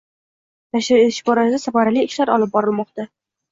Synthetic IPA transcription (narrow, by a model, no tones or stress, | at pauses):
naʃɪɾet̪ɪʃbɒɾazasafaɾaliɪʃlaɾɒlˠɪp̚bɒɾɪlˠmɒqt̪a